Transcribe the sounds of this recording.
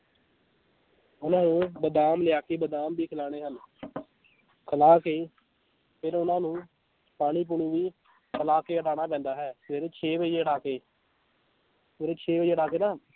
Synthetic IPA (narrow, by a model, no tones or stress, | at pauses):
ʊnãːnũːbəd̪aːmlɪjaːkeːbəd̪aːmbiːkʰəlaːɽ̃eːɦən | kʰəlaːkeː | pʰɪɾʊnãːnũː | paːɽ̃iːp̬uɳũːʋiː | kʰəlaːkeːəʈaːɽ̃aːpɛ̃ːnd̪aːɦɛːsʋeːɾet͡ʃʰeːʋəd͡ʒeːəʈaːkeː | meːɾeːt͡ʃʰeːʋəd͡ʒeːəʈaːkeːnaː